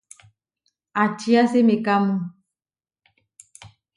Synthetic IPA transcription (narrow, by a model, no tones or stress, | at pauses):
at͡ʃiasemekamu